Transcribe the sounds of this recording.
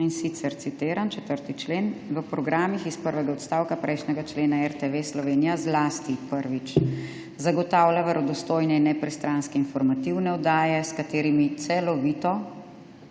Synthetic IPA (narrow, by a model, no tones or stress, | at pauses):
insit̪sɛɾt̪sit̪eːɾant͡ʃɛt̪əɾt̪it͡ʃleːnʋəpɾɔɡɾaːmixispəɾʋɛɡaɔt̪st̪aːwkapɾʔɛjʃnɛɡat͡ʃleːnaɛɾt̪eʋeslɔʋeːnijazlaːst̪ipəɾʋit͡ʃ | zaɡɔt̪aːwlʲjaʋɛɾɔd̪ɔst̪oːjnɛinɛpɾɛst̪ɾanskɛinfɔɾmat̪iwnɛɔd̪aːjɛskat̪eːɾimit̪sɛlɔʋiːt̪ɔ